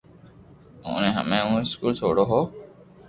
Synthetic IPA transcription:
õ̰ːnẽɦə̰mẽːũːɪskuːlt͡ʃʰo̰ːɽoːɦoː

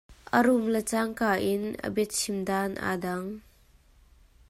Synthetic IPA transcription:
ʔəɾumlət͡saŋkaːʔinə̰bɛt̪̚simdanʔa̰daŋ

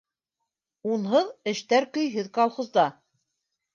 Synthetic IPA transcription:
unɦɤðɘ̆ʃt̪æɾkɵ̆jɦɘðkɑlˠχozd̪ɑ

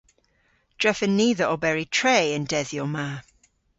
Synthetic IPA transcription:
d̥ɹɪfə̃nːiːðəɹəbɛɹitʰɹ̥eɪə̃ndɛðjɔmaː

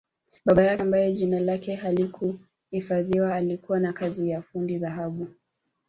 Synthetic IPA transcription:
ɓaɓajambajɛʄinalakɛhalikʰu | hifaðiwaːlikuwanakazijafundiðaɦaɓu

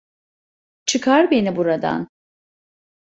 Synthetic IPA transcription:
t͡ʃʰɯkʰaɾbe̞nibuɾad̪a̰n

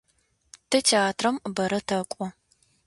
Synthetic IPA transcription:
tʰɐtʰeaːtʰrɐmɨbɐɾɐtʰɐkʷʼɔ

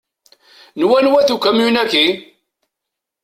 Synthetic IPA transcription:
nwænwæθukːæmjunækːi

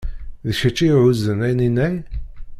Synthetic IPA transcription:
ðəʃæt͡ʃːiʕuzənæjninæj

